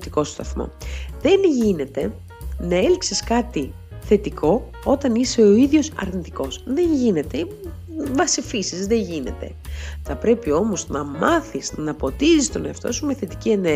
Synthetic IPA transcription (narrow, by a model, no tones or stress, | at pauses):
t̪iko̞st̪ɐθmo̞̰ðe̞nʝine̞t̪e̞ | nɐe̞lkseskɐt̪i | θe̞t̪iko̞ | o̞t̪ɐnise̞o̞iðʝo̞sɐ̰ɾnit̪iko̞sðe̞ɲʝine̞t̪e̞ | vɐsifisizðe̞ɲʝine̞̰t̪e̞̰θɐpɾe̞pio̞mo̞znɐmɐθisnɐpo̞t̪izist̪o̞neɐft̪o̞sumeθe̞t̪i̥cie̞ne